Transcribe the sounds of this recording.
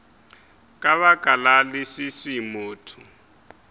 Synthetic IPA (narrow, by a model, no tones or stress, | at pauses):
kʼaβakʼalalɪsisimoːtʰʊ